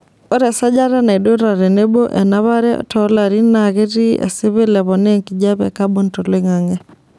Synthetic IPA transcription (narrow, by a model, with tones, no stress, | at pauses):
ɔ˦ɾɛ˨sa˦d͡ʒa˦ɾa˦na˨i˨ɗo˦ɾa˨ɾɛ˨ne˦bo˦ʔɛ˨na˦βa˦ɾɛ̰tɔla˨ɾi˦naɣe˦ɾi˦ɛ̰˨sɪ˦βɪ˦lɛ˨βɔne˦ŋki˨d͡ʒa˦βɛ̰˨kabo˦nto˨le˦ŋa˨ŋɛ˦